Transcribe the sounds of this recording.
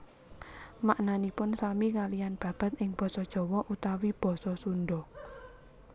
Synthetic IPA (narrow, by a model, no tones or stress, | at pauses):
maʔnanipʊnsamikalijanb̥ä̤b̥a̤t̪ɪŋb̥ɔ̤sɔd̥ʒ̥ɔ̤wɔʔut̪awib̥ɔ̤sɔsunɖɔ